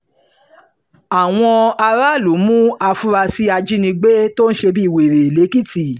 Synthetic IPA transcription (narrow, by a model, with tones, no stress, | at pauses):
a˨w̃ɔ̃˧a˧ɾa˦˨lo˨˦mũ˦a˧fu˦ɾa˧si˦a˧d͡ʒi˦nĩ˧ɡ͡be˦to˦ñ̩˦ʃe˧bi˦˨we˨ɾe˨le˨˦ki˦ti˨